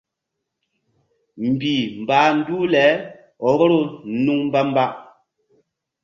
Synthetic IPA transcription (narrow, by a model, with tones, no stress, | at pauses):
m̩˨bi˨m̩˨baː˨˦n̩˦du˦lɛ˨˦ | ɔ˨˦bɔ˦ɾo˦˨n̩˦nu˦ŋm̩˦ba˦m̩˦ba˦ʔ